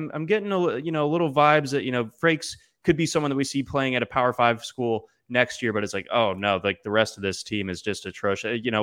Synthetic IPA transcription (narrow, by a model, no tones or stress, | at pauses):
mʔã̰ɪ̃mɡɛɾɪ̃ŋəjɨnoʊlɪɾl̩ˠvaɪbzðɨʔ̚ʔɨñoʊfɹeɪks | kʰɨd̚bisʌ̃mwʌ̃nðət̚wisipʰl̥eɪɪ̃ŋɨɾɨpʰaʊə˞faɪv̥skulˠ | nɛkst̚jɪɹbʌɾɨtslaɪko̰ʊnoʊlaɪk̚ðɨɹɛstʌvðɪstʰĩmɨzd͡ʒʌstɨtʰɹ̥oʊʃjɨñoʊ